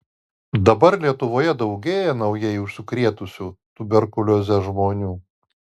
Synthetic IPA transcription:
d̪ɐbɐɾlʲiɛt̪ʊʋoːjɛd̪ɒʊɡʲeːjɛnɐʊjɛɪʊʃsʲʊkɾʲiɛt̪ʊsʲuːt̪ʊbʲɛɾkʊlʲozʲɛʒmoːnʲuː

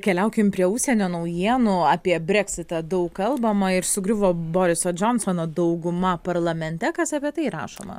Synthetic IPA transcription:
kʲɛlʲɛʊkʲɪmpʲɾʲiɛʊʃʲsʲiɛnʲoːnɐʊjiɛnuɑːpʲiɛbʲɾʲɛkʲsʲɪt̪ɐd̪ɐʊkkɐlˠbɐmɐɪɾsʊɡɾʲʊʋoːboːɾʲɪsoːd͡ʒɔnsonoːd̪ɐʊɡʊmɐpɐɾlˠɐmʲɛnʲt̪ʲɛkɐsɐpʲiɛt̪ɐɪɾɑ̰ːʃo̰ːmɐ̰

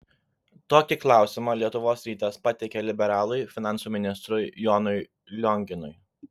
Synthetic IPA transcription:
t̪oːkʲɪklˠɑˑʊsʲɪmɑlʲiɛt̪ʊʋoːsɾʲiːt̪ʲɛspɐt̪ʲɛkʲɛlʲɪbʲɛɾɑːlˠʊɪfʲɪnɑˑnsuːmʲɪnʲɪst̪ɾʊjjɔnʊɪ | lʲɔŋʲɡʲɪnʊ̰j

